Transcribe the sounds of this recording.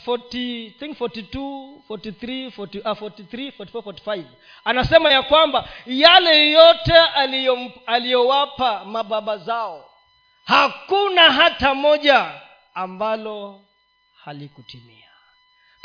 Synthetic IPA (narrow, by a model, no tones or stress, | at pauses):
fɔtiθiŋkfɔtitufɔtiθɾifɔtiafɔtiθɾifɔti̥favfɔti̥fajv | anasɛmajakwambajalɛjɔtɛaalijɔwapamaɓaɓazaɔ | hakunaɦatamɔʄaː | mbalɔ | halikutimḭa